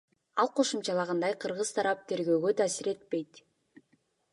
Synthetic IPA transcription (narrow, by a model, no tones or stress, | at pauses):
ɑlˠqʰo̞ʃumt͡ʃɑlˠɑʁɑnd̪ɑjqʰɯɾʁɯzt̪ʰɑɾɑp̚t̪ʰe̞ɾɡø̞ːɡø̞t̪ʰaːsiɾe̞t̪̚pe̞jt̪